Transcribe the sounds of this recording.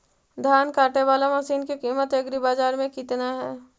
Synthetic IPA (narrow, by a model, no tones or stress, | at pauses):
d̪ʱjaːnkaːʈeʋaːlamasiːnkikiːmət̪eɡɾibaːzaːɾmẽkɪt̪naɦɛː